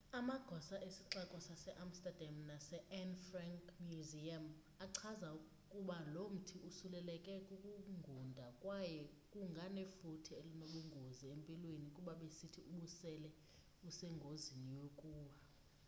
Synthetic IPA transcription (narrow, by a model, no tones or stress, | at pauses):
amaɡ̥ʱɔsaʔesiǁakʼɔsasɛʔamstʼad̥ʱamnasɛʔɛnfraŋkʼmjuziam | aǀʰaza | kʼuɓalom̩tʰiusulɛlɛkʼɛkʼukʼuŋɡʱundʱakʼwajɛ | kʼuŋɡʱanefutʰielinoɓuŋɡʱoziempʼilwenikʼuɓaɓesitʰiuɓusɛlɛ | usɛŋɡʱozinijokʼuːwa